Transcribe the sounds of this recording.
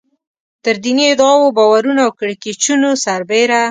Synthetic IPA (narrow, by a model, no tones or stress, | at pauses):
t̪əɾd̪iniɪd̪ɑwobɑwaɾunawkəɽket͡ʃunosaɾbeɾa